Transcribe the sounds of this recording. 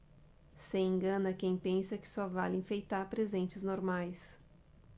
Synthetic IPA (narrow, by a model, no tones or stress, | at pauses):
sẽẽŋɡɐ̃nɐkẽj̃pẽsɐkɪ̥sɔva̰lẽfejt̪aɾpɾezẽnt͡ʃɪznoɾmajs